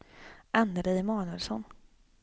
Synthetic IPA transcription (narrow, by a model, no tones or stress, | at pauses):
ʔand̪əɾɛjmɑːnɵɛlsɔn